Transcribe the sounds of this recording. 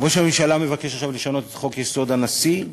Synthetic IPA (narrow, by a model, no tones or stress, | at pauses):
voʃeamimʃalame̞vake̞ʃaχʃavleʃano̞t̪et̪χo̞kjeso̞d̪anasi